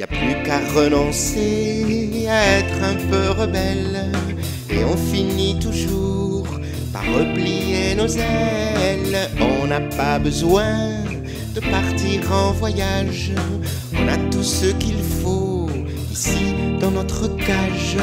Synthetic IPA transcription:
ja̰plykaʁənɔ̃se | aɛt̪χɛ̃pøʁəbɛl | ḛɔ̃finit̪uʒu | ʁ | pa̰ʁːəplijenozɛlɔ̃napabəzwɛ̃ | d̪̥əpaʁt̪iʁɑ̃vwajaʒ | ɔ̃nat̪usəkilfo | isid̪ɑ̃nɔt̪χəkaʒ

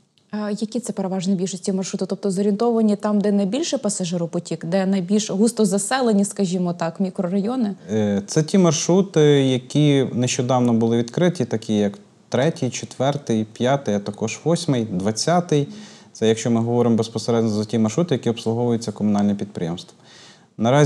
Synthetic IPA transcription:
jɐkʲit̪sɛpeɾeʋɑʒnɛbʲilʲʃɔsʲtʲimɐrʃɾut̪ʊt̪ɔp̚t̪ɔzɔɾʲint̪ɔʋɐnʲit̪ɑmd̪ɛnɐjbʲilʲʃɪpɐsɐʒɪɾʊpɔtʲikd̪ɛnɐjbʲilʲʃɦust̪ɔzɐsɛlˠenʲiskɐʒʲimɔt̪ɑkmʲikɾɔrɐjɔnɪt̪sɛtʲimɐrʃɾut̪ɪjɐkʲineʃt͡ʃɔd̪ɑwnɔbʊlˠɪʋʲid̪kɾɪt̪ʲit̪ɐkʲijɐk | t̪ɾɛtʲɪjt͡ʃet̪ʋɛrt̪ɪjpʲjɑt̪ɪjɐt̪ɐkɔʒʋɔsʲmɪjd̪ʋɐt͡sʲːɑt̪ɪjt̪sɛjɐkʃt͡ʃɔmɪɦɔʋɔɾɪmɔbespɔseɾɛd̪nʲɔzɐtʲimɐrʃɾut̪ɪjɐkʲiɔpslˠʊɦɔʋʊjɪt͡sʲːɐkɔmʊnɑlʲnɛpʲid̪̚pɾʲɪjemst̪ʋɐ | nɐɾɑ

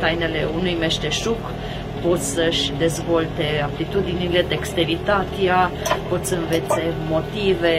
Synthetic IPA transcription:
t̪ajnele̞unujmeʃt̪eʃuk | po̞t̪sʲsəʃʲd̪e̞zvo̞lt̪e̞apt̪lit̪ud̪inile̞t̪ekst̪e̞ɾit̪at̪eapo̞t̪ssəɨnve̞t̪se̞mo̞t̪ive̞

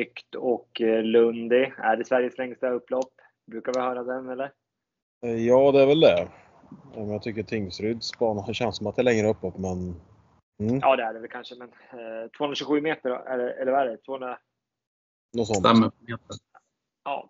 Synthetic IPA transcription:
ʏkt̪ʰɔklɵnd̪ɪæ̰ɖɛsvæɾjəslɛŋst̪aɵpːlɔpː | bɾʉ̟ːkaɾvɪhœːɾad̪ɛnɛlːəɾ | jɑːd̪ɛæɾvɛld̪ɛ | ɛmɛnjɑɡt̪ʰʏkːət̪ʰɪŋːsɾʏd̪spɑːnaɕɛnsɔmat̪d̪ɛlɛŋɾəɵpːlɔpːmɛn̩ | ʔɑ̰ːd̪ɛæɖɛvɛlkʰanʂəmɛn | t̪ʰvoːɵnɾaɕʉɧʉ̟ːmeːt̪əɾ̰ɛ̰əɛlːəɾvaæɖɛt̪ʰvoːhɵnɾa | nɔt̪sɔnt̪aməmeːt̪əɾ | ɑ̰ː

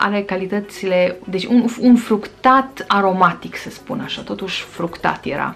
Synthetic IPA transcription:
ʔa̰ɾe̞kalit̪ət̪sile̞d̪e̞t͡ʃʲununfɾukt̪at̪aɾo̞mat̪iksəspunaʃat̪o̞t̪uʃʲfɾukt̪a̰t̪jḛɾa̰

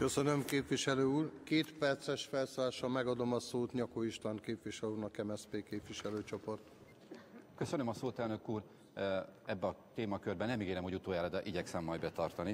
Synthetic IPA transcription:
kø̞sønø̞mkeːpvʋiʃɛløːuːrkeːt̪pɛrt̪sɛʃfɛlsoːlaːʃɒmɛɡɒd̪o̞mɒsoːt̪ɲɒkoiʃt̪aŋkeːpvʋiʃɛluːrnɒkːɛmɛspeːkeːpʋiʃɛløːt͡ʃo̞po̞rt̪ | kø̞sønømɒsoːt̪ɛlnøkuːr | ɛbːɛɒt̪eːmɒkørbɛnːɛmiɡeːlɛmho̞ɟut̪oːjaːlɒd̪ɛʔiɟɛksɛmːɒjdbɛt̪ɒrt̪ɒni

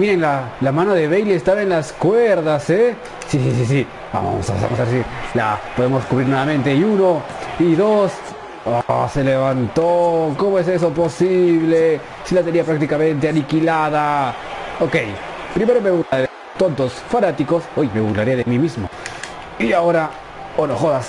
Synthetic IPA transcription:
miɾeŋlalamãnoðe̞βejleːst̪aβaenlaskweɾðase | sisisisi | ba̰mo̰saβḛβa̰mosaβeɾsila̰poðemoskuβɾiɾnweβamẽnt̪eiuno | iðos | ase̞leβant̪okomoese̞s̬oposiβle | silat̪eɾiapɾakt̪ikamẽ̞nt̪eanikilaða | oke̞j | pɾime̞ɾome̞βuɾlaɾeðe | t̪ont̪o̞sfanat̪iko̞sojme̞βuɣlaɾiaðemimizmo | iaoɾa | onoxoðas

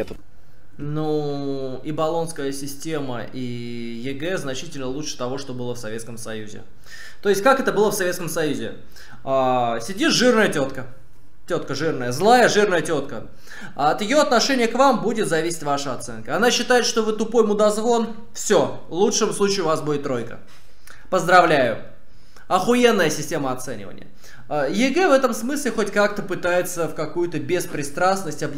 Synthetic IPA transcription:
nu | ibɐlˠo̞nskəjəsʲɪsʲtʲemə̰ | i | jɪɡɛznɐt͡ɕitʲɪlʲnəlˠuʂɨ̥t̪ɐvo̞ʂt̪o̞bɨlˠəfsɐvʲe̞t̪skəmsɐjuzʲɪ̰ | t̪o̞ɪsʲt̚ʲkakɛt̪əbɨlˠəfsɐvʲet̪kəmsɐjuzʲɪ̰ | asʲɪdʲiʐɨrnəjətʲo̞t̪kə | tʲo̞t̪kəʐɨrnəjəzlˠajəʐɨrnəjətʲo̞t̪kə | ɐt̪jɪjo̞ɐt̪nɐʂɛnʲɪjəkvambudʲɪt̪zɐvʲisʲɪ̥tʲvaʂəɐt̪sɛ̰nkəɐnaɕːɪt̪ajɪt̪ʂt̪o̞vɨt̪ʊpo̞jmʊd̪ɐzvo̞n | fsʲo | lˠutʂɨmslˠut͡ɕɪʊvasbudʲɪt̪ːɾo̞jkə̰ | pəzd̪ɾɐvlʲæjʊ̰ | ɐxʊenːəjəsʲɪsʲtʲeməɐt̪sɛ̰nʲɪ̰və̰nʲɪ̰jə̰ | jɪɡɛvɛt̪əmsmɨsʲlʲɪxo̞tʲkak̚t̪əpɨt̪ajɪt̪səfkɐkujʊt̪əbʲɪspɾʲɪst̪ɾasnəsʲtʲɐb

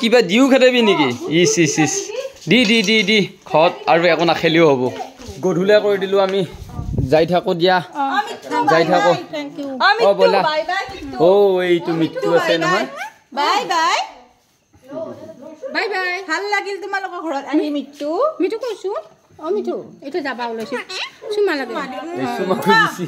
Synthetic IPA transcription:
kibadiʊkʰɛtɛbinikiisisisdidididikʰɔt̚aɹuɛkʊnakʰelioɦobɔ | ɡodʱulakoɹidilʊ̃amizajtʰakʊdijamitzajtʰakʊtkuɔmiɔbɔlaajbajmitːoejtʊmitːuasɛnɔɦɔj | bajbaj | bajbajbʱalːaɡiltumalʊkɔɡʱɔɹɔtamimitːumitʊkojsu | ɔmitʰuejtɔzabaʊlojsisumalaɡɛejsumakojdisi

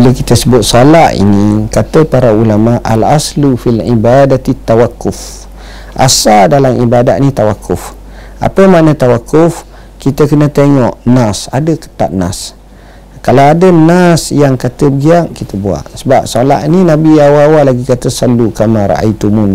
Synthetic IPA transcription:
biləkit̪əsəbʊt̪̚solaʔḭnikat̪əpaɾaulamaʔa̰lʔaslufilibadat̪it̪ːawakːʊf | ʔa̰saldalamibada̰ʔ̪nit̪awakʰːʊf | ʔa̰pəmanət̪awakʰːʊf | kit̪əkənət̪eŋɔʔnasa̰dəkə̥t̪a̰ʔ̪na̰s | kalawadənasjaŋkat̪əbəɡiaʔkit̪əbua̰ʔsəbap̚sola̰ʔininabiawawalaɡikat̪əsalukamaɾa̰ʔa̰jt̪umun

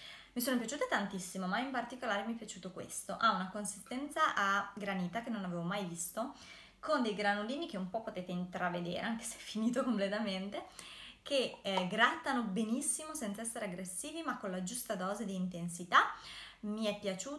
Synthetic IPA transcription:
misoːnopjat͡ʃuːt̪at̪ant̪isːimomaimpart̪ikolaːɾemiɛpjat͡ʃuːt̪okwḛst̪oʔaunakonsi̥st̪ɛnt̪saʔaɡɾaniːt̪akenːonaveːvomajvist̪o | kond̪ejɡɾanoliːnik̟eumpɔpːot̪eːt̪eint̪ɾaved̪ḛːɾʔḛaŋke̥seɛfiniːt̪okomplet̪ament̪ek̟ʰeɡɾat̪ːanobenisːimosɛnt̪saɛsːeɾeaɡɾesːiːvimakːonlad͡ʒust̪ad̪ɔːzed̪iːnt̪ensit̪amiɛpːjat͡ʃuː

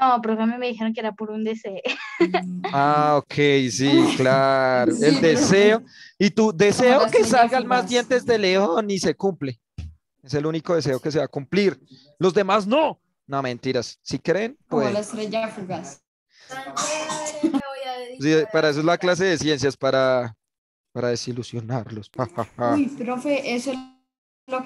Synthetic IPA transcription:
nopɾoβememeðixeɾoŋk̬eeɾapuɾund̪eseo | aokʰejsiklaɾoeld̪eseoit̪ud̪e̞se̞okesalɡalmazd̪je̞nt̪e̞zd̪eleonise̞kumple | e̞se̞luniko̞ðe̞s̬e̞o̞ke̞s̬e̞βakumpliɾ | lo̞zd̪e̞mazno̞ | nomẽ̞nt̪iɾasːikɾeːnpweðelesɾeʝafuɣas | siepaɾaes̬oezlaklas̬e̞ðe̞sje̞ns̬jaspaɾa | paɾaðe̞silusjo̞naɾlo̞sahahapɾofeʔesoe | lo

